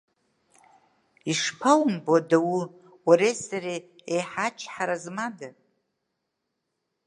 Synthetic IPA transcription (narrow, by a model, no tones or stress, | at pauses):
iʂpʰawmbodawu | waɾesaɾe | ejħat͡ʃʰħaɾazmada